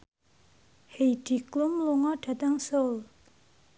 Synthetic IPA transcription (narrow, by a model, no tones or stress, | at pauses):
hejɖ̥i̤klʊmluŋɔɖ̥a̤t̪əŋsol